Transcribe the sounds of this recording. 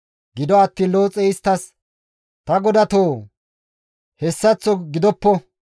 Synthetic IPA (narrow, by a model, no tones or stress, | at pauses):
ɡɪd̪ɔɐt̪ːiːlo̞ːt͡sʼɛɪst̪ːɐs | t̪ɐɡɔd̪ɐt̪oː | hɛsːɐt͡sːɔɡɪd̪ɔpːɔ